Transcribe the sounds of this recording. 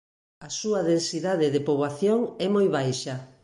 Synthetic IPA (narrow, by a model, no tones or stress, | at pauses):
ɐsuɐðensiðaðɪðepoβaθjoŋɛmojβajʃɐ